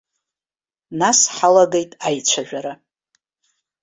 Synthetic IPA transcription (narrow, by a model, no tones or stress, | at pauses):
nasħalaɡe̞jtʼajt͡ʃʷʰaʒᶣʷaɾa